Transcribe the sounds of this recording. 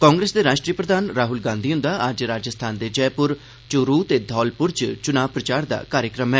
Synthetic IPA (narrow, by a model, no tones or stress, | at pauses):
kɔ̃ːŋɡɾeːsd̪eːɾaːʃʈɾiːəpɾəd̪aːnɾaːɦʊlɡãːnd̪ʱiːʊ̃nd̪aːəd͡ʒɾaːd͡ʒəst̪ʰaːnd̪eːd͡ʒɛːpʊɾ | t͡ʃʊɾuːt̪eːd̪ʱɔːlpʊɾt͡ʃt͡ʃʊnaːʋpɾət͡ʃaːɾd̪a̰ːkaːɾjəkɾəmɦɛː